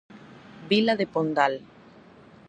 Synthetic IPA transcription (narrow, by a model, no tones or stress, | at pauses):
bilaðepond̪al